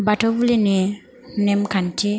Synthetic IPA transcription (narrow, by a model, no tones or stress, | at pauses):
batobulini | nɛmkante